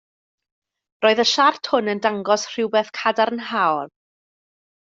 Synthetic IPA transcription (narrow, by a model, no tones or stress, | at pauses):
roːɨðəʃartʰhʊnəndaŋɡɔsr̥ɪwbɛːθkʰadaɾənɦawl